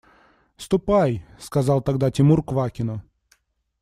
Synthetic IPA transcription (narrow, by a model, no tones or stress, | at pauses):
st̪ʊpajskazɑlˠt̪aɡd̪atʲɪmurkvakʲɪnʊ